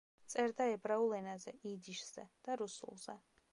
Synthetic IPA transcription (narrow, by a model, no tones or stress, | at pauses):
t̪sʼɛɾd̪aɛbɾaulɛnazɛid̪iʃzɛ̰d̪̥aɾusṵlˠz̥ɛ